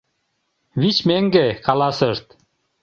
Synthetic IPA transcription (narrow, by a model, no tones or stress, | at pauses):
βit͡ɕmeŋɡekɑlˠɑsɯɾt̪